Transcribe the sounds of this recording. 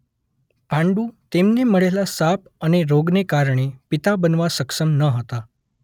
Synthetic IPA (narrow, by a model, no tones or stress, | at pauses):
pãɳɖuːt̪emneməɭelasap̚ | əneɾoɡnekaɾɳ̃epit̪abənʋasəkʂəmnəɦət̪a